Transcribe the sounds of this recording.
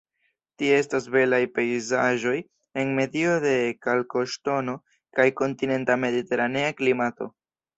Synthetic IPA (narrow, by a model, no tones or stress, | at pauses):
tiee̞stas̬be̞lajpe̞jzaʒo̞j | e̞nme̞dio̞de̞kalko̞ʃto̞no̞ | kajko̞ntine̞ntame̞dite̞ɾane̞aklimato̞̰